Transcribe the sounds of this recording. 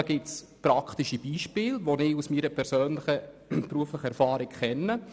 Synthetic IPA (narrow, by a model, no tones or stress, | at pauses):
ɡ̥ɪts | pɾɑkχt̪iʃib̥iːʃpɪːlʋonɪːusmiːɾəpʰɛɾsøːnlɪχə | pɾuəflɪχəɛɾfɑːɾɪkχɛnːə